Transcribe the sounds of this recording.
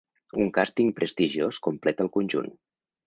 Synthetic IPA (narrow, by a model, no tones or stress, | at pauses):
uŋkast̪iŋpɾʔəst̪iʒioskumplɛt̪əlˠkunʲʒṵn